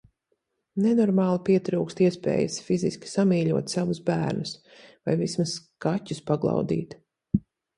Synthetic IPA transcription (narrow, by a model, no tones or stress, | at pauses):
nɛnɔɾmɑːlˠipiɛt̪ɾuːkst̪iɛspɛ̰ːjɐ̰sfiziskʲi̥samiːʎuɔt̪savusbæːɾnus | vajvismaskatʲːuspaɡlˠɑ̰wd̪ḭːt̪